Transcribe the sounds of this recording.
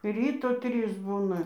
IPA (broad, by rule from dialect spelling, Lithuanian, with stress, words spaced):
ˈrʲiːtoː ˈtʲrʲiːs ˈbuːnɐ